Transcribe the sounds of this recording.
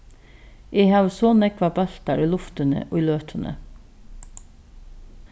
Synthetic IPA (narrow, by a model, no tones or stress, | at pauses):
ʔeːhɑːʋsoːnɛkʋɑbɑɬt̪ɑɾiːlʊft̪ənə̰ʔo̰ːiːløːt̪ʰənʔə̰